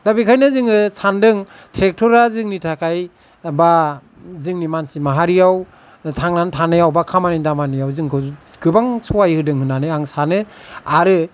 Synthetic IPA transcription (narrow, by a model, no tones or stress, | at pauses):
d̥abikʰajnɯzɯŋɯsʰandɯŋ | tʰɾek̚tʰɔɾazɯŋnitʰakʰaj | ba | zɯŋnimansimaɦaɾijaw | tʰaŋnantʰanɯjawbakʰamanidamanɯjawzɯŋkʰɯɡɯbaŋsʰɔwajhɯdɯŋhɯnanɯaŋsanɯaɾɯ